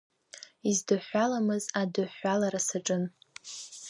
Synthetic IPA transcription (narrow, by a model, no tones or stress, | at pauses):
izdɨħʷalamɨzadɨħːalaɾasaʈ͡ʂʼɨn